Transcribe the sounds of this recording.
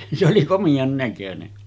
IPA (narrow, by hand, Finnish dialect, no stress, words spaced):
se oli komij̆ɑŋ nækønen